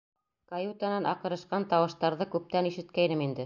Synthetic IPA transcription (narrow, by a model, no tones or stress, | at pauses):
kajut̪anɑnʔɑ̰qɤ̆ɾɤ̆ʃqɑnt̪ɑwɤ̆ʃt̪ɑɾðɤkʉp̚t̪æniʃɘ̆t̪̚kæjnɘmind̪ɘ